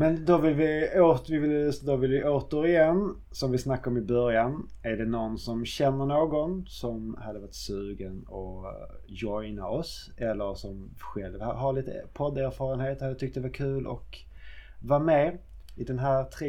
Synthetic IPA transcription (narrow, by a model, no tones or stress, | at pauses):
mɛnd̪ɔvɪlvɪoːt̪vɪvɪlsd̪ɔvɪlvɪʔoːt̪əɾɪjɛnː | sɔmvɪsnakːaɾɔmɪbœɾjan | æɾɖɛnɔnsɔmɕɛnːəɾɳoːɡɔnsɔmhad̪ːəvaʈsʉ̟ːɡənɔ | jɔjnaɔs | ɛlːəɾsɔmɧɛlvha̰ɦaɾɭiːt̪ə̰pʰɔd̪æɾfɑːɾənheːt̪əhajat̪ʰʏk̚t̪əd̪ɛvaɾkʰʉ̟ːlʔɔ̰k | vɑɾmɛ | ɪd̪ɛnɦæːɾt̪ʰɾe